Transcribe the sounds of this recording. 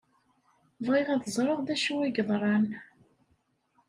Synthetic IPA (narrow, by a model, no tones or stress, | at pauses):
vʁɪʁæðəzˤɾˤəʁðæʃuwæɡəðˤɾˤɑn